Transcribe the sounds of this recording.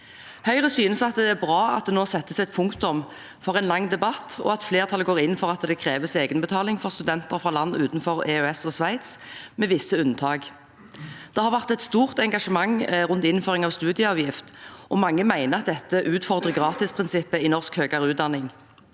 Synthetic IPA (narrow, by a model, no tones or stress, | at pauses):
hœʏʁəsyːnəsɑt̪̚d̪ɛæʁbʁɑːɑ̰t̪̚d̪ɛnoːsɛt̪ːəsɛɪt̪̚pʰʊŋkt̪ʊm | fɔʁɛɪnlɑŋːd̪ɛbɑt̪ːɔ̰ɑt̪fleːʁt̪ʰɑlɡoːʁɪnfɔʁɑt̪d̪ɛkʰʁeːʋəseːɡənbət̪ʰɑːlɪŋfɔʁst̪ʉd̪ɛnt̪əʁfʁɑːlɑnːʉːt̪nfɔʁɛøɛsɔsʋæɪt̪smɛʋɪsːəʉnːt̪ʰɑːɡ | d̪̥ɛhɑʁʋæʁt̪ɛt̪st̪uːʁt̪ɛŋɡɑʂəmɑŋʁʉnt̪ɪnføːʁɪŋɑʋst̪ʉːd̪ɪəɑːʋjɪft̪ʔɔmɑŋːəmæɪnəʁɑt̪̚d̪ɛt̪ːəʔʉːt̪fɔʁd̪ʁəɡʁɑːt̪ɪspʰʁɪnsɪpːəɪnɔʁskhøːɡɑʁəʉːt̪̚d̪ɑnɪŋ